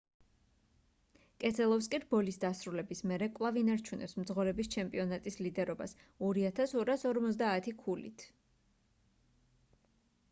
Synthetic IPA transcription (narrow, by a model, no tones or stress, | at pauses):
kʼɛt̪sʰɛlˠɔfs̬kʼiɾbɔlisd̪asɾulɛbismɛɾɛkʼvlˠavinaɾt͡ʃʰunʔɛ̰psmd̪zʁɔɾɛbist͡ʃʰɛmpʼiɔnat̪ʼislid̪ɛɾɔba̰sɔɾiat̪ʰasɔɾasɔɾmɔt̪sd̪aːt̪ʰikʰulḭt̪ʰ